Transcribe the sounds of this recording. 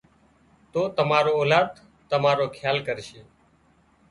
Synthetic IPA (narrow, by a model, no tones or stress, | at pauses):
t̪oːt̪əmaːɾoːoːlaːd̪ | t̪əmaːɾoːkʰjaːlkəɾʃeː